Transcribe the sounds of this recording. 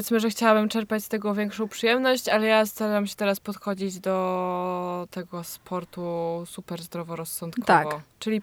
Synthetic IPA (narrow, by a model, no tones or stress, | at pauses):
ɛt̪smɘʐɛxt͡ɕawabɘmt͡ʂɛɾpat͡ɕst̪ɛɡɔvʲjɛŋkʂɔ̃w̃pʂɘjɛmnɔɕt͡ɕalɛjast̪aɾaɾamɕɛ̥t̪ɛɾaspɔt̪xɔd͡ʑid͡ʑd̪ɔ | t̪ɛɡɔspʰɔɾt̪usupɛɾzd̪ɾɔvɔɾɔsːɔnt̪kʰt̪ɔakvɔt͡ʂɘlʲi